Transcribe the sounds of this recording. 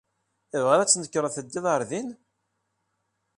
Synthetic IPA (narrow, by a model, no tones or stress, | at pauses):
ivʁəɾæt͡sːnəkːɾəθəd̪ːiðˤəɾˤðin